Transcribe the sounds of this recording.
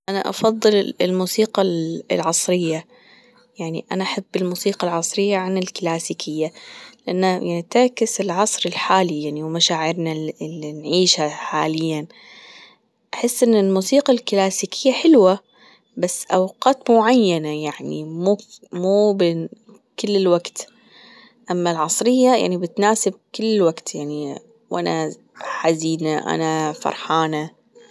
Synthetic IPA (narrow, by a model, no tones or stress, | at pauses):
ʔana̰ʔɑ̰fɑðˤːɨlɪlmuːsiːqɑ̰lʕɑsˤɾɪjːa | jaʕnḭʔanaʔaħabːɪlmuːsiːqɑlʕɑsˤɾɪjːaʕanɪlklaːsiːkʰɪjːalɪʔanːajaʕnit̪akɪsɪlʕɑsˤɾɪlħaːlijaʕniwmaʃaːʕɪɾnalinʕiːʃhaħaːlɪjːan | ʔaħɪsːʔɪnːɪlmuːsiːqalklaːsiːkʰɪjːaħɪlwa | basːʔawqɑːt̪mʊʕajːanajaʕnḭmuːmuːbɪn | kɪlːɪlwaɡt̪ | ʔamːalʕɑsˤɾɪjːaja̰ʕnibɪt̪naːsɪb̚kɪlːwaɡt̪jaʕni | wʔa̰na | ħaziːnaʔa̰nafɑ̰ɾˤħaːna